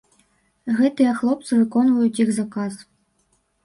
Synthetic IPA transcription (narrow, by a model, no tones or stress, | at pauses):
ɣɛt̪ɨjɛxlˠɔp̚t̪sɨvɨkɔnvujut͡sʲixzakɑz